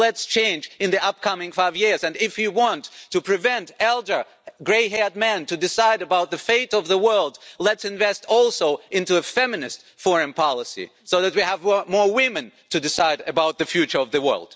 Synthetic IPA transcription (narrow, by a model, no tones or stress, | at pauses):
lɛtst͡ʃʰẽɪ̃nd͡ʒɨ̃nðiʔʌp̚kʰʌmɪ̃ŋfaɪvjɪɹzɨ̃nɪfjɨwɑ̃ntʰːɨpʰɹ̥ɨvɛ̃ntɛlˠdə˞ | ɡɹeɪɦɛɹd̚mɛ̃ntɨdɨsaɪɾɨbaʊt̪̚ðɨfeɪɾʌvðəwɜ˞lˠdlɨtsɨ̃ɱvɛstʰɔlˠsoʊʔɪ̃ntuɨfɛmɨnɨst | fɔɹɨ̃npʰɑlˠəsḭ | soʊðɨt̚wiəvmɔɹwɪ̃mɨ̃ntɨdɨsaɪɾɨbaʊt̪̚ðɨfjʉt͡ʃə˞ʌvðɨwɜ̰˞lˠd̥